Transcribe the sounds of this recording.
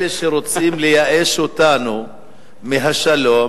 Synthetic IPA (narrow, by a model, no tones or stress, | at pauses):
leʃeɾo̞t͡simlejaʔeʃot̪anu | meɦaʃalo